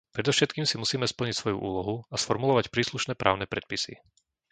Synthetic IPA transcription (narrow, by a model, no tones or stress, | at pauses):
pɾɛd̪ɔʊʃɛt̪kiːmsimusiːmɛspl̩ɲicsʋɔjṵʔṵːlɔɦuasfɔɾmulɔʋacpɾiːsluʃnɛːpɾaːʊnɛpɾɛt̪̚pisḭ